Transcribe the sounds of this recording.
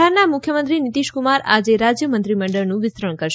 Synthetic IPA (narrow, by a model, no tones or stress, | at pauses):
aɾnamʊkʰjəmənt̪ɾinit̪iʃkumaɾad͡ʒeɾad͡ʒjəmənt̪ɾiməɳɖəɭnũʋɪsɾəɳ̃kəɾʃ